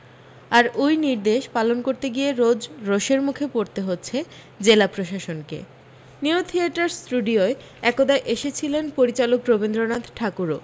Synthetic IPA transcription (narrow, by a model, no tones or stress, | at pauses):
aɾojniɾd̪eʃpalonkoɾt̪eɡieɾod͡ʑɾoʃeɾmukʰepoɾt̪eɦotːɕʰe | d͡ʑelapɾoʃaʃonkḛ | niut̪ʰieʈaɾsʈuɖioe | ɛkod̪ajʔeʃet͡ɕʰilenpoɾit͡ɕalokɾobend̪ɾonad̪ʈʰakuɾo